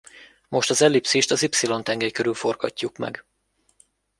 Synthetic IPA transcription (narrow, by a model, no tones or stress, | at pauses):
mo̞ʃt̪ɒzɛlipseːʃt̪ɒzipsilo̞nt̪ɛŋɡɛjkøɾylfo̞rɡɒ̰cːukmɛ̰ɡ